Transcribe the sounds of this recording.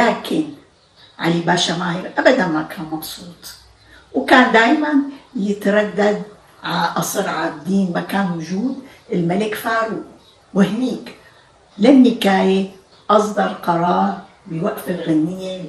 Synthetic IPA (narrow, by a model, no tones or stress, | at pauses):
laːkɪn | ʕa̰libaːʃamaːhɪɾʔabad̪anmakʰaːnmɑbsˤuːt̪ˤ | wkaːnd̪aːjmanjɪt̪ɾˤɑd̪ːad̪̚ | ʕaaʔɑsˤɨɾʕab̚d̪iːnmakaːnwʊʒuːd̪ | ɪlmalɪkfaːʕɾu | wɪhniːk | lɪnːɪkaːje | ʔɑsˤd̪ɑɾˤqɑɾˤɑːɾˤ | bɪwaʔfɪlɣanːɪjːe